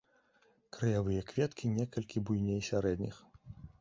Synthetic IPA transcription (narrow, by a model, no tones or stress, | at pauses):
kɾɐjavɨjɐkvʲɛt̪kʲinʲɛkɐlʲkʲibujnʲejsʲaɾɛd̪ʲnʲix